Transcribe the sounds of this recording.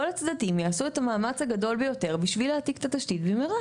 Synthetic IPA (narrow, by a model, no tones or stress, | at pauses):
olat͡sd̪adimjaːsuet̪amaːmat͡shaɡado̞lbejo̞te̞ʁbiʃvileat̪ikt̪at̪aʃt̪it̪bemeʁa